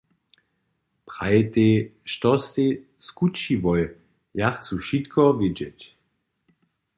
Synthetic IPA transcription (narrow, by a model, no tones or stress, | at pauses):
pʁajt̪eʃtɔse | skut͡ʃivɔj | jaχt͡suʃit̪kʰɔvɪd͡ʒɛt